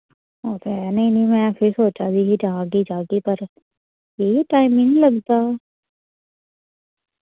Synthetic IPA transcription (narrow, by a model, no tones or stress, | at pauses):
ot̪ɛːnɐɦĩnɐĩmɛ̃ːpʰɪɾsoːt͡ʃad̪ikid͡ʒaːɡid͡ʒaːɡipɐɾ | jeɦiʈaːɪmɪ̃ŋlɐɡt̪a